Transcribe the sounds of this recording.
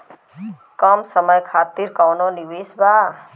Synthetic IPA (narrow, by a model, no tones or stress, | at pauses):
kəmsəməjkʰaːt̪iɾkawnoniʋeːsba